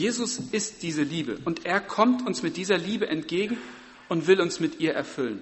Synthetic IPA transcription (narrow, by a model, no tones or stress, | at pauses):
jeːzʊsɪstd̥iːzəliːbə̰ʔʊntʔeːɐkʰɔmtʰʊnsmɪt̚d̥iːzɐliːbəʔɛntɡ̥eːɡŋ̩ | ʔʊntv̥ɪlʊnsmɪtʔiːɐʔɛɐfʏlən